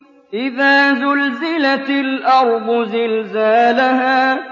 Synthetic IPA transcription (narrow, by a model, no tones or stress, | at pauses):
ʔɪðaːzʊlzɪlalʔɑɾˤd̪ˤʊzɪlzaːlahaː